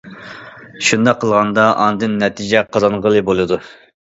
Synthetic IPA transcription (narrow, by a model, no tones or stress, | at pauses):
ʃund̪ɑqʰːəlˠʁɑnd̪ɑʔɑ̰nd̪ɨnːɛt̪ʰid͡ʒɛqʰɑzɑnʁəlˠɨbolˠɨd̪u